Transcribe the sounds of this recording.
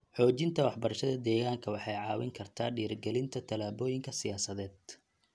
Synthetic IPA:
ħɔːt͡ʃɪnt̪ʰɐwɑħbɐɾɐʃɐðɐd̪ɛːɣaːŋkʰɐwɑħɑjʕɑːwɪ̰ŋkʰɐrt̪ʰaːɖiːrɡɛlɪnt̪ʰɐt̪ʰɐlaːβɔːjɪŋkʰɐsɪjaːsɐðɛːd̪̥̚

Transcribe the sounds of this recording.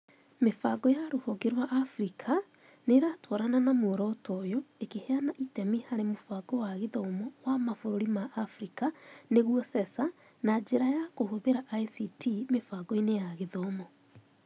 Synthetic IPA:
mefaɡɔjaɾohɔɡeɾwaʔːfɾikʰa | neɾatwɔɾananamoɾɔtɔjoekeheanaʔitɛmihaɾemofaɡɔwaɣeðɔmɔwamafoɾoɾimaʔːfɾikaneɣwɔsɛsa | nad͡ʒeɾajakohoðeɾaʔaisitimefaɡɔinejaɣeðɔmɔ

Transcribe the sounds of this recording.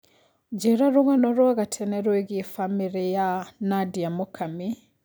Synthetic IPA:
d͡ʒɛɾaɾoɣanɔɾwaɣatʰɛnɛɾoeɣifamiɾijanadiamokʰami

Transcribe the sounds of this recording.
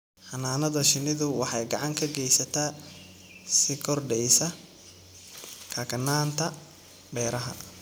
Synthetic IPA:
ħɑnaːnɐðɐʃɪnɪðʊwɑħɑjɡɑʕɑŋkʰɐɡɛjsɐt̪ʰaː | sɪkʰɔrɖɛjsɐ | kʰɐkʰɐnaːnt̪ʰɐ | bɛːɾɐɦɐ̰

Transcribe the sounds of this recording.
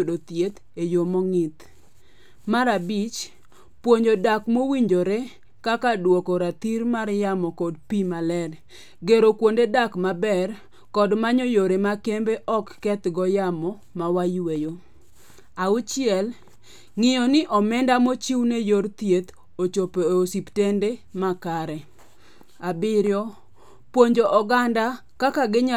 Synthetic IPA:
odot̪jet̪ | ejomɔŋɪt̪ | maɾabit͡ʃ | pwoɲd͡ʒodakmowiɲd͡ʒoɾe | kakadwokɔɾat̪iɾmarjamɔkɔdpimalɛr | ɡeɾokwondedakmabɛr | kɔdmaɲɔjoɾemakembeʔɔkːɛt̪ɡɔjamɔ | mawajwejo | aʊt͡ʃɪɛl | ŋɪjɔnɪʔɔmɛndamot͡ʃiwnejoɾt̪jet̪ | ot͡ʃopeosiptendemakaɾɛ | abɪɾjɔ | pwoɲd͡ʒoʔɔɡanda | kakaɡɪɲa

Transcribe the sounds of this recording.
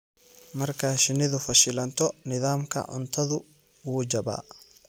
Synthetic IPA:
mɐrkʰaːʃɪnɪðʊfɐʃɪlɐnt̪ʰɔnɪðaːmkʰɐ̰ʕʊ̰nt̪ʰɐðʊ | wuːd͡ʒɐba̰ː

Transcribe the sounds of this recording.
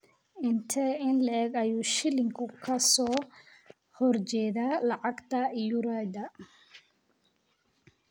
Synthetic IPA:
ɪnt̪ʰɛɪnlɛɛɡɐjuːʃɪlɪŋkʰʊkʰɐsɔː | hɔrt͡ʃɛːðaːlɑʕɑɡt̪ʰɐjʊɾad̪ɐ

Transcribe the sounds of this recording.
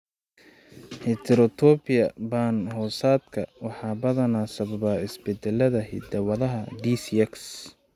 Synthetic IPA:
hɛt̪ʰɛɾɔt̪ʰɔbɪjɐbaːnɦɔːsaːd̪kʰɐwɑħɑːbɐðɐnaːsɐβɐβaɪsbɛd̪ɛlːɐðɐɦḭd̪ɐwɐðɐɦɐd̪iːsɛks

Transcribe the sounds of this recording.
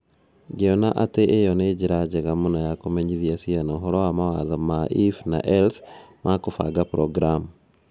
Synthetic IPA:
ɡeɔnaʔateʔejɔned͡ʒeɾad͡ʒeɣamonajakomɛɲiðiasianaɔɦɔɾɔwamawaðamaʔifna̰ʔɛlsmakofa̰ɡapɾɔɡɾam

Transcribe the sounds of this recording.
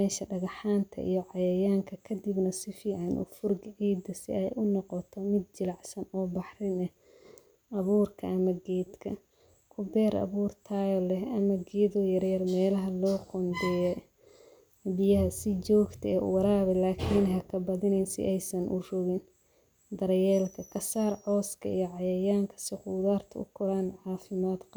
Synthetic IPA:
mɛːʃɐɖɐɣɑħaːnt̪ʰɐ̰ʔḭjɔʕɑjɐjaːŋkʰɐkʰɐd̪ɪbnɐsɪfiːʕɑnʔʊ̰fʊrɡʕiːd̪ɐsɪɛjʔʊnɔqɔt̪ʰɔmɪd̪̚t͡ʃɪlɑʕsɐnɔːbɑħrɪnɛh | ʔɐβuːrkʰɐʔɐmɐɡɛːd̪kʰɐ | kʰʊbɛːɾʔɐ̰βuːrt̪ʰaːjɔlɛɦɐmɐɡɛːðɔjɐɾjɐrmɛːlɐɦɐlɔːqɔnd̪ɛjɛ | bɪjɐɦɐsɪt͡ʃɔːɡt̪ʰɐɛːʔʊ̰wɑɾaːβɛlaːkʰiːnɦɐkʰɐbɐðɪnɛnsɪ̰ʔɛjsɐnʔʊ̰rɔɣɪn | d̪ɐɾjɛːlkʰɐkʰɐsaːrʕɔːskʰɐ̰ijɔʕɑjɐjaːŋkʰɐ̥sɪquːðaːrt̪ʰɐʊ̰kʰʊɾanʕʕɑːfɪmaːd̪q

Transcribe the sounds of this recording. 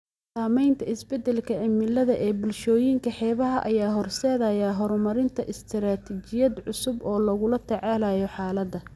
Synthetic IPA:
saːmɛjnt̪ʰɐɪsbɛd̪ɛlkʰɐʕɪmɪlɐðɐʔɛːbʊlʃɔːjiŋkʰɐħɛːβɐɦɐʔɐjaːɦɔrsɛːðɐjaɦɔɾmɐɾɪnt̪ʰɐʔɪst̪ʰɪɾaːt̪ʰit͡ʃɪjɐd̪ʕʊsʊbɔːlɐɣʊlɐt̪ʰɛʕaːlaːjɔħaːlɐd̪ɐ

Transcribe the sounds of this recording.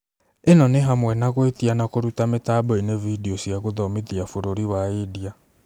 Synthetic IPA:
enɔneɦamwɛnakwetianakoɾutamɪtabɔinevidiosiakoðɔmiðiafoɾoɾiwaidia

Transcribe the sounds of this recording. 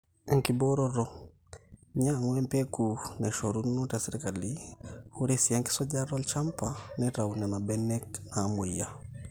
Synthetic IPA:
ŋkibɔɾɔɾɔ | ɲaŋwɛmpɛkunɛʃɔɾunutasɛɾikalihuɾesiaŋki̥sɔɟaɾɔlt͡ʃampanɛɾaunanabɛnɛknamoija

